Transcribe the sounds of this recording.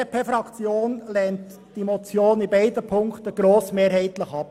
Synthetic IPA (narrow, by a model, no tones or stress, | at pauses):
epʰefɾɑkt͡sjoːnlɛnt | d̥imot͡sjoːnɪbaɪdəpʰʊŋktəɡ̥ɾoːsmeːɾɦɛɪtlɪxɑp